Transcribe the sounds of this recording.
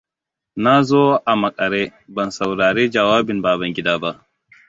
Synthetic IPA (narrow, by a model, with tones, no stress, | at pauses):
na˦zɔ˦a˨mɐ˨kʼɐ˨ɾɛ˦bɐ˨nsɐ˨wɾaː˨ɾe˦d͡ʒɐ˨waː˦bi˨nbaː˨bɐ˨ŋɡʲi˦daː˦ba˦ʔ